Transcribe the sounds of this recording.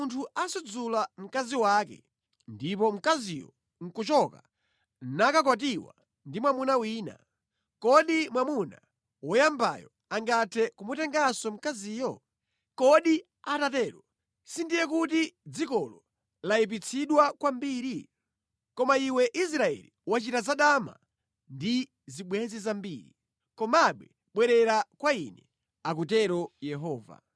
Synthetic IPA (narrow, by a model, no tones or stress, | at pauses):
untʰuasud͡zulam̩kaziwaːkɛ̰ | ndipɔm̩kazijɔ̰ | ŋ̩kut͡ʃɔka | nakakwat̬iwa̰ | ndimwamunawiːna̰ | kɔɗimwamuna̰ | wɔjamba̰jɔ̰ | aŋɡatʰɛkumutɛŋɡasɔm̩kaziːjɔ | kɔɗi | atatɛːɾɔ | sindijɛkutid͡zikɔlɔ | laip̬it͡sʰiɗwakwambiːɾi | kɔmaiwɛʔis̬ɾaɛ̰liwat͡ʃitazaɗama̰ | ndi | ziɓwɛzizambiːɾḭ | kɔmaɓwɛ | ɓwɛɾɛɾakwaḭnɛ | ak̬utɛɾɔjɛɦɔːva̰